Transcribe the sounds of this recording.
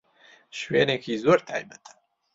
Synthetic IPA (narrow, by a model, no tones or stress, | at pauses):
ʃwenekʰiːzoːɾt̪ʰaːjbət̪ʰḁ